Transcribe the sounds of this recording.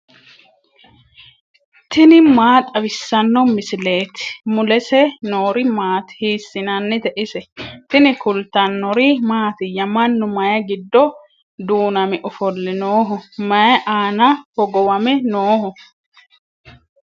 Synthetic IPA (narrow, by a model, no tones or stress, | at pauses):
t̪ɪnɪmaːt̪ʼɐwɪsːɐnːɔmɪsɪleːt̪ɪ̥mʊlɛsɛnoːɾɪmaːt̪hiːsːɪnɐnːɪt̪ɛʔɪsɛt̪ɪnɪkʊlt̪ɐnːɔɾimaːt̪ɪjɐmɐnːʊmɐjɐɡɪd̪ːɔ | d̪uːnɐmɛʔɔfɔlːɪnoːɦɔmɐjɐʔaːnɐhɔɡɔwɐmɛnoːɦʊ